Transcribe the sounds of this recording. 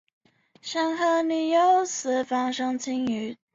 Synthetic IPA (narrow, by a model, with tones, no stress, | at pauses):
ʂa˥ŋxɤ˥˧ny˨˩jo˧˥ʊs̩˧˥fɑ˧˥ŋʂɤ˥ŋt͡sʰi˥ŋy˧˩˥